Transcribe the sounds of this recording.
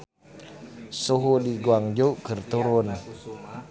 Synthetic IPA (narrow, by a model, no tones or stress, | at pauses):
soɦudiɡuaŋd͡ʒoʔkərt̪uɾʊn